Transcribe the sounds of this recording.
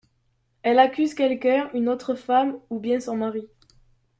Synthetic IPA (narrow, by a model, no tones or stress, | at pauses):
ɛlakʲyzkʲɛlkœynot̪χəfamubjɛ̃sɔ̃maʁi